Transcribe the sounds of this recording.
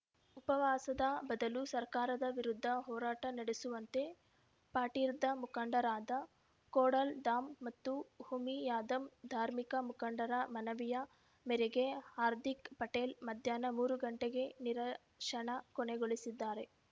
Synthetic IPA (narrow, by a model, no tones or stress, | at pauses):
upɐʋaːsɐd̪ɐbɐd̪ɐlusɐɾkaːɾɐd̪ɐʋiɾud̪ʱːɐɦɔːɾaːʈɐnɐɽesuʋɐnt̪e̞ | paːʈiːɾd̪ɐmukɐɳɖɐɾaːd̪ɐ | koːɽɐlɖaːmːɐt̪ːuhumijaːd̪ɐmd̪ʱaːɾmikɐmukɐɳɖɐɾɐmɐnɐʋijɐ | mɛɾɛɡe̞haːɾd̪ʱikpɐʈeːlmɐd̪ʱjaːnɐmuːɾuɡɐɳʈeɡe̞niɾɐ | ʂɐɳɐkɔɳeɡoɭisid̪ːaːɾe̞